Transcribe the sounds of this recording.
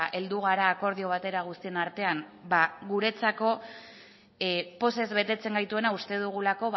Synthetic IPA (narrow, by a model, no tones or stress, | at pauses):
ʔe̞ld̪uɣ̞aɾaːko̞ɾð̞io̞β̞at̪e̞ɾaɣ̞ust̪ie̞naɾt̪e̞anbaɣuɾe̞t͡sako̞ | po̞se̞zβe̞t̪e̞t͡se̞ŋɡajt̪ue̞naust̪e̞ðuɣ̞ulako̞β